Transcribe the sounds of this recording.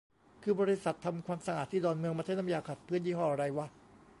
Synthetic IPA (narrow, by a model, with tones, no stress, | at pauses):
kʰɯː˧bɔː˧ɾi˦˥sa˨˩t̪ʰːa˧mkʰwaː˧msa˧ʔaː˨˩t̪ʰːiː˥˩dɔː˧nmɯ˧əŋmaː˧a˥˩nʰːa˧jaː˧kʰa˨˩t̪̚pʰɯː˦˥˩ənjiː˦˥˩hɔː˧˩ʔa˧ɾa˧jwa˦˥˩